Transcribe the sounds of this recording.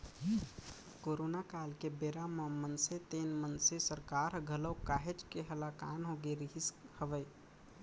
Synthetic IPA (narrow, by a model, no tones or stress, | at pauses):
koːɾoːnakaːlkebeːɾaməmənset̪eːnmənsesəɾkaːɾɡʱələkaːɦed͡ʒkeɦəlakaːnɦoɡeɾiɦishəʋəj